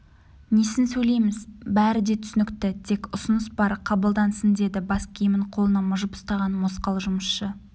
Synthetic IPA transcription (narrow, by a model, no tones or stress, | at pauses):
nesɪnsɵjle̞jmɪzbæɾɪd̪e̞t̪ʰʏsɪnɪkt̪ɪt̪ʰe̞kʊsʊnəsbɑɾqʰɑbəlˠd̪ɑnsənd̪e̞d̪ɪbɑskʲʰejmɪɴqʰo̞lˠənɑmʊʒəpʊ̥st̪ɑʁɑnmosqɑlˠʒʊməsʃə